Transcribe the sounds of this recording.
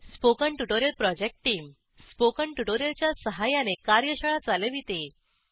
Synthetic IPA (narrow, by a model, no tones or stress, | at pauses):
spokəɳʈuʈoɾjəlpɾɔd͡ʑek̚ʈʈːiːm | spokəɳʈuʈoɾjəlt͡ɕjasəɦajanekaɾjəɕəɭat͡saləʋit̪e